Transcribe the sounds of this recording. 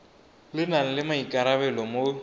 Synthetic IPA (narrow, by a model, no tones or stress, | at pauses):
lɪnaŋ̩lɪmaikʼaɾaβɛlɔmo